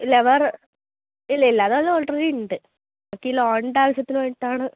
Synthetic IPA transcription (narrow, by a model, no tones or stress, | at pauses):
leʋɐr | ilːɐilːaːðeʋɐlːɐolʈrɐɾiɳɖɨ | ɐkːiloːɳɖaːʋɐsɐt̪ːinuʋɐjʈːaːɳɨ